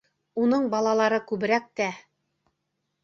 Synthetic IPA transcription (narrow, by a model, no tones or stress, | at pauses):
unɤɴbɑlˠɑlˠɑɾɤkʉβɘ̆ɾæk̚t̪æ